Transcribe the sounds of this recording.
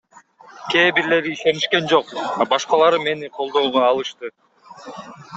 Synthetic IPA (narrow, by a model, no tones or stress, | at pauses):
ke̞ːbiɾle̞ɾiiʃe̞niʃke̞nd͡ʒo̞q̚ɑbɑʃqɑlˠɑɾɯme̞niqʰo̞lˠd̪o̞ːʁoɑlˠɯʃt̪ɯ